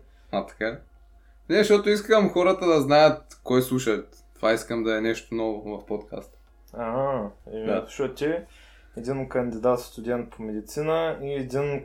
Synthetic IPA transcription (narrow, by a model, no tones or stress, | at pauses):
at̪ɐ̥ka | nɛʃt̪ɔt̪oiskəmxɔɾət̪əd̪ɐznajət̪̚kɔjslˠuʃɐt̪ | t̪ːovaiskəmd̪ɐɛnɛʃt̪onɔvovɐfpot̪kʰa̰st̪ə̥ | aɛd̪aʃɔt̪ʲi | ɛd̪inkɐnd̪ʲid̪at̪st̪ʊd̪ʲɛnt̪̚pʰomɛd̪it̪sinəiɛd̪ʲin